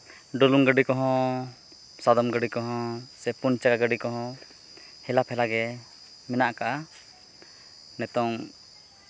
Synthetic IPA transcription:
ɖɔluŋɡəɖikɔɦɔ̃ | sad̪ɔmɡəɖikɔɦɔ̃sɛpunt͡ʃaɡaɡəɖikɔɦɔ̃ | hɛlaphɛlaɡɛ | mɛnaʔkaʔa | nɛt̪ɔŋ

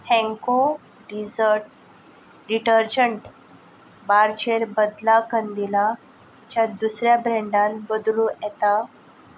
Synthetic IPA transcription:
hɛ̃ŋko | ɖid͡zəɾʈ̚ | ɾiʈəɾd͡ʑəɳʈ | baɾt͡ɕeɾbəd̪lakənd̪ila | t͡ɕjad̪usɾjabɾɛ̃ɳɖãnbəd̪lũɛt̪a

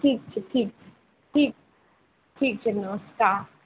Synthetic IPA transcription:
ʈʰiːk̚t͡ʃʰɛʈʰiːk̚t͡ʃʰɛ | ʈʰiːk̚ | ʈʰiːk̚t͡ʃʰɛnɔːska

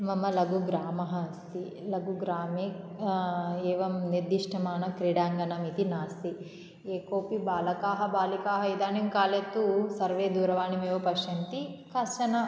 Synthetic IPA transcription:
mɐmːɐlɐɡuɡɾaːmɐɦɐst̪i | lɐɡuɡɾaːmeː | eːʋɐmniɾd̪ːiʂʈʰɐmaːnɐkɾiɽaːŋɡɐnɐmit̪inaːst̪i | eːkoːpibaːlɐkaːɦɐbaːlikaːɦɐid̪aːnimkaːlet̪ːusɐɾʋeːd̪uːɾɐʋaːnimeːʋɐpɐʃɐnt̪ikɐst͡ʃɐnɐ

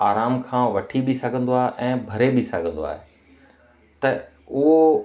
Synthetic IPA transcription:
aːɾaːmkʰãːʋɐʈʰiɓɪsɐɡʱə̃nd̪oaːɦeʔɛ̃ːbʱɐɾebɪsɐ̰ɡʱə̃nd̪oa̰ːɦe | t̪ɐ | ʊɦo

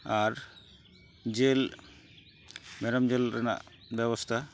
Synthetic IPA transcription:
aɾ | d͡ʒel | mɛɾɔmd͡ʒelɾɛna̰ʔ | bɛβɔst̪ʰa

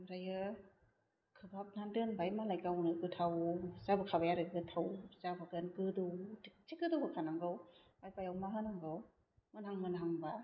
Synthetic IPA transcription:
mɾajɯ | kʰɯbap̚nandɯnbajmalajkawnɯɡɯtʰawzabakʰabajaɾɯɡɡɯtʰawzabaɡɯnɡɯduwtik̚t͡ʃiɡɯdubɯkʰanaŋɡɯw | bajpajawmaɦɯnaŋɡɯw | mɯnhaŋmɯnɦaŋba

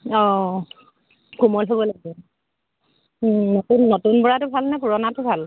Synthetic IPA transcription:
ɔ̃ | kumɔlɦobɔlaɡɛ | notunːotunpɔɹatʊbʱalnɛpuɹɔnatʊbʱal

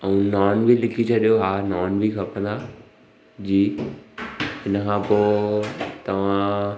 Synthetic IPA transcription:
ɛũnaːnbʱilɪkʰit͡ɕʰɐɗijoɦaːnaːnbikʰapə̃nd̪a | d͡ʑiː | ɦɪnəkʰãpoː | t̪ɐʋ̤ã

